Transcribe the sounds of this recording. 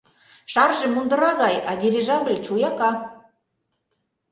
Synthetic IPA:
ʃɑrʒĕmund̪ɤ̆ɾɑɣɑjɑd̪ʲeɾiʒɑβlʲt͡ɕujɑkɑ

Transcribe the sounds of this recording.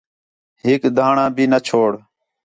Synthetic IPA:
ɦɪkd̪ʱaːɳãːbʱiːnət͡ʃʰoːɽ

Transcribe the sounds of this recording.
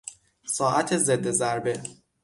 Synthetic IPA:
sɒːʔæt̪ʰe̞zed̪ːezæɾbe̞

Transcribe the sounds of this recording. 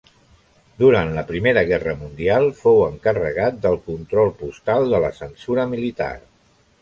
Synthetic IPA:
d̪uɾant̪ləpɾimeɾəɣɛrəmund̪ialˠfowəŋkərə̰ɣat̪̚d̪əlˠkunt̪ɾɔlˠpust̪alˠd̪ələsənsuɾəmilit̪a̰r

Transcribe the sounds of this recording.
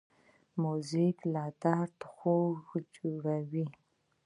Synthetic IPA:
muziklɑd̪aɾt̪xoɣd͡ʒoɽawi

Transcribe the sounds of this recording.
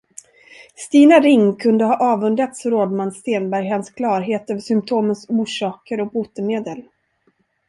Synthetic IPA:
st̪iːnaɾɪŋːkʰɵnd̪əhɑːʔɑːvɵnd̪ɾat̪sɾoːd̪manːst̪eːnbæɾjɦanskʰlɑːɾɦeːt̪œvəʂʏmp̚t̪ʰoːmənsuːʂɑːkəɾɔk̚buːt̪əmeːd̪əl

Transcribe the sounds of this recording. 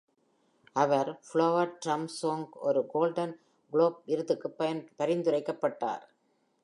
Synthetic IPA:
ʔɐʋɐɾfɭoːʋɐʈɾɐmsoːŋɡɔɾɯɡoːlɖɐn | ɡɭoːp̚ɪɾɯðɯkːɯpɐɐnpɐɾɪnd̪ɯrɐɪkːɐpːɐʈːa̰ːɾ

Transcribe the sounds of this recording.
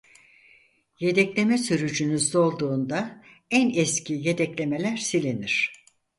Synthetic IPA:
je̞d̪ɛclʲe̞mɛsyɾyd͡ʒynyzd̪o̞lˠd̪uːnd̪a | ænɛscʰije̞d̪ɛclʲe̞me̞lʲæɾsilʲeniɾ̝̥

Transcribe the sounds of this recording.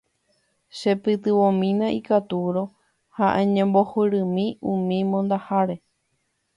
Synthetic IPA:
ʃe̞pɨt̪ɨʋõmĩnãʔikat̪uɾo̞ | haʔẽɲẽmbohɨɾɨ̃mĩũmĩmõ̞nd̪ahaɾe̞

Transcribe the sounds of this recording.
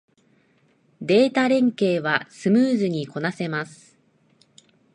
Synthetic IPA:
d̪e̞ːt̪aɾẽ̞ŋke̞ːβ̞asɨmɯːzɨɲ̟iko̞nase̞masɨ̥

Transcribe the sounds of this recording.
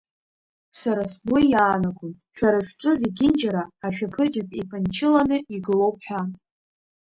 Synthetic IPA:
saɾasbojjaːnaɡʰʼʊnʃᶣaɾaʃʲᶣʈ͡ʂʷʼɨzeɡʲɪnd͡ʒaɾaːʃᶣapʰɨd͡ʒapʼipʰʼant͡ʃʰɪlanɨiɡɨlo̞wp̚ʰʼħʷᶣa

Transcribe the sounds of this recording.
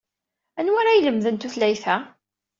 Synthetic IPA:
ænwaɾajləmðənt̪uθlæjθæ

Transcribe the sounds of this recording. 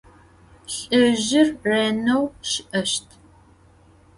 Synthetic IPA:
ɬʼɨʑɪrːeːnɐwʃɪʔɐʃtʰ

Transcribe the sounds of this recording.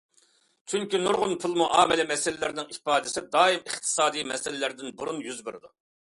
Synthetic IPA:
t͡ʃʰyŋkʲinuɾʁʊnpʰulˠmuʔɑːmɪlɛmɛsɪlɪlɪɾnɪŋipɑːd̪ɪsɪd̪ɑːimɨχt̪ʰɨ̥sɑːd̪ijmɛsɪlɪlɪɾd̪ɪnbuɾunjyzbɪɾɪd̪u

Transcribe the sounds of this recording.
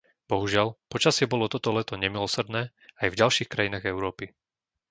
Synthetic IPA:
b̥ɔɦuʒɪalpɔt͡ʃasɪɛbɔlɔt̪ɔt̪ɔlɛt̪ɔɲɛmilɔsr̩d̪nɛː | ajvɟalʃiːxkɾajinaːɣɛʊɾɔːpi

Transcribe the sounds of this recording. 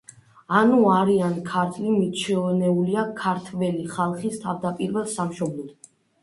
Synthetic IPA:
anuaɾiankʰaɾt̪ʰlimit̪t͡ʃʰɛɔnɛuliakʰaɾt̪ʰvɛliχalˠχist̪ʰavd̪apʼiɾvɛlˠsamʃɔblˠɔd̪̥

